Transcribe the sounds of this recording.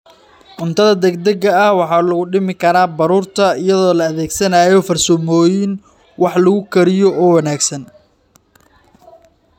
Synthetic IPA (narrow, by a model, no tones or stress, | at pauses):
ʕʊnt̪ʰɐðɐd̪ɛɡ̚d̪ɐɡɐːhwɑħɑːlɐɣʊɖɪmɪkʰɐɾaːbɐɾuːrt̪ʰɐɪjɐðɔːlɐːðɛːɡsɐnaːjɔfɐrsɔmɔːjɪn | wɑħlɐɣʊkʰɐɾɪjɔʔɔːwɐnaːɡsɐn